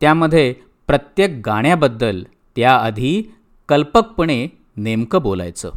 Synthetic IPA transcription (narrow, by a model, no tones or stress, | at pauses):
t̪jaməd̪ʱːje | pɾət̪jek̚ɡaɽ̃jabəd̪ːəl | t̪jaəd̪ʱiː | kəlpək̚pəɳ̃e | nemkəbola̰jt͡sə̰